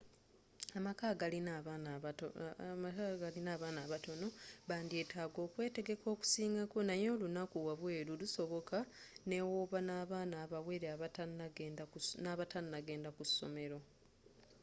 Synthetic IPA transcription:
amakaːɡalina | aɡalinaːβaːnaːβato̞no̞βaːndie̞ːtaːɡo̞ːkwe̞ːte̞ɡe̞ko̞ːku̥siːŋɡakonajo̞ːlunakuwaβwe̞ːluluso̞βo̞kʰane̞woβanaːβaːnaːβaweɾeaβataaɡdanaβatannaɡe̞ːndakusːo̞̰me̞ɾo̞

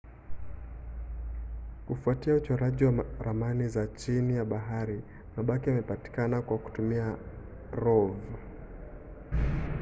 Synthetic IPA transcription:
kufuatiaut͡ʃɔɾaʄiwaɾamanizat͡ʃinijaɓaɦaɾi | maɓakiamɛpati̥kanakwaku̥tumia | ɾɔv

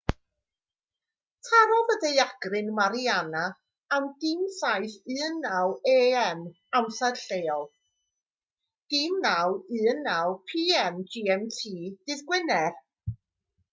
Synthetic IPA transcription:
tʰaɾɔvədeɨaɡ̥rɨnmaɾiana | amdɪmsajθɨnːaweːɛm | amsad̥ɬejɔlˠ | d̥imnawɨːnːawpʰiːɛmd͡ʒiːɛmtʰiːdɨðɡwɪnɛr

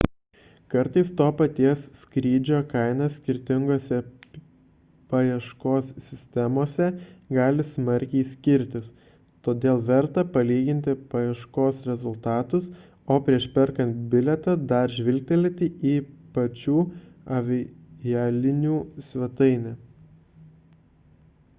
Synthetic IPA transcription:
kɐɾt̪ɐɪst̪oːpɐt̪ʲiɛsːʲkɾʲiːd͡ʒʲoːkɐɪnɐsʲkʲɪɾʲt̪ʲɪŋɡoːsʲɛ | pɐjɛʃkoːsːʲɪsʲt̪ʲɛmoːsʲɛɡɑːlʲɪsmɐɾʲkʲɛɪsʲkʲɪɾʲt̪ʲɪs | t̪oːd̪ʲeːlˠʋʲɛɾt̪ɐpɐlʲiːɡʲɪnʲt̪ʲɪpɐjɛʃkoːsɾʲɛzʊlˠt̪ɑːt̪ʊs | oːpʲɾʲiɛʃpʲɛɾkɐnʲt̪̚bʲɪlʲɛt̪ɐd̪ɐɾʒʲʋʲɪlʲk̚ʲt̪ʲɛlʲɪt̪ʲɪiːpɐt͡ʃʲuːɐʋʲɪjɛːlʲɪnʲuːsʲʋʲɛt̪ɐɪnʲɛ

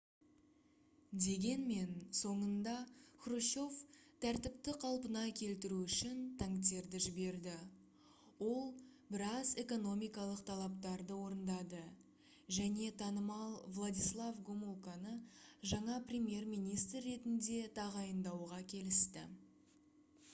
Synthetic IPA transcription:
d̪e̞ɡʲe̞nme̞nso̞ɴənd̪ɑxruʃo̞ft̪ʰæɾt̪ɪp̚t̪ɪqʰɑlˠpənɑkʲʰe̞lt̪ɪɾuʏʃɪnt̪ʰɑŋt̪e̞ɾd̪ɪʒɪbe̞ɾd̪ɪ | wo̞lˠbɪɾɑze̞ko̞no̞mijkɑlˠəqt̪ʰɑlˠɑp̚t̪ɑɾd̪əwo̞ɾənd̪ɑd̪ə | ʒæne̞t̪ʰɑnəmɑlˠvlˠad̪ʲijslˠavɡomulˠkɑnəʒɑɴɑprʲemje̞rmijnijst̪rːe̞t̪ɪnd̪e̞t̪ʰɑʁɑjənd̪ɑwʁɑkʲʰe̞lɪst̪ɪ̰

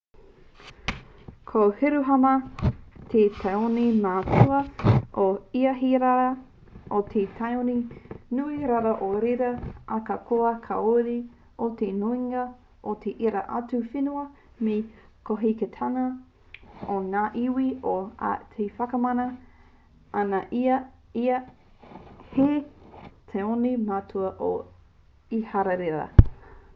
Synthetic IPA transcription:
kʰohiɾuɦɐmɐt̪ʰetʰajoninaːtʰuɐʔoiɐɦiɾaɾɐ | otʰetʰajoninuiɾaɾɐʔoɾeɾɐʔɐkɐkʰoɐkʰɐ̰oɾi | ʔot̪enuiŋɐ | ʔot̪ʰeʔiɾɐ̰ʔatufinuɐ | me | kʰoɦiketʰanɐ | oŋaːʔiwiotʰefɐkɐmɐnɐ | ʔanɐʔiɐ | iɐ | he | t̪ʰeonimatʰuɐʔo̰ | ihaɾɐɾeɾɐ̰

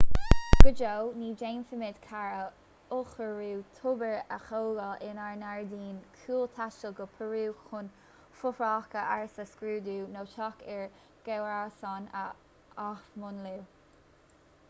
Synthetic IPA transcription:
ɡ̥əd͡ʒowniːd͡ʒeːnfəmɪd̪kʰaɹə | ʊxəɹuwt̪ʰʊbəɹəxowɡəʔɪnaɹnaɹd̪iːnkʰuːlt̪ʰaʃəlɡəpʰəɹuːxʊn | fʊfɹɑːkəʔaɹsəskɾuːd̪uːnoːʃɑkɪɹ | ɡ̥ɛwasɑnə̰ | axmʊnluw

